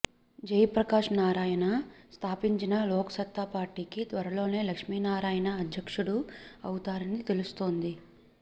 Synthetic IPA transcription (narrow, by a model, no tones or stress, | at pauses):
d͡ʒɐjpɾɐkaːʂnaːɾaːjɐnɐst̪ʰaːpiɲt͡ʃinɐlɔːkɐ̥sɐt̪ːapaːɾʈiːkit̪ʋɐɾɐlo̞ːne̞ːlɐkʂmiːnaːɾaːjɐnɐːd̪ʱjɐkʂuɽuɐwut̪aːɾɐnit̪e̞lust̪oːnd̪i